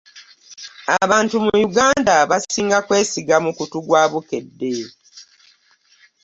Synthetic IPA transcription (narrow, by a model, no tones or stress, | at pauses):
aβaːntumujuɡaːndaβasiːŋɡakwe̞ːsiɡamukutuɡwaːβukedːe